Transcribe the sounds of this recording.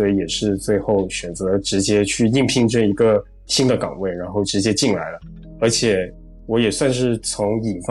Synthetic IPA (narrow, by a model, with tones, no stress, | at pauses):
ɔ˧˥i˧˥jɛ˨˩ʂɻ̩˥˧t͡swe˥˧ɪxo˥˩ʊɕɥɛ˨˩nt͡sɤ˧˥d̪ʈ͡ʂɻ̩˧˥t͡ɕjɛ˥t͡ɕʰy˥˧i˥˩ŋpʰi˥ŋʈ͡ʂə˥˩i˧˥ɡə˧ | ɕi˥nd̪ə˨kɑ˨˩ŋwe˥˩ɪɻa˧˥nxo˥˩ʊʈ͡ʂɻ̩˧˥t͡ɕjɛ˥t͡ɕi˥˩nla̰˧˥ɪlə˧˩ | ə˞˧˥t͡ɕʰjɛ˨˩˦ | wɔ˧˥jɛ˨˩swa˥˧nʂ̬ɻ̩˥˩t͡sʰʊ˧˥ŋi˨˩f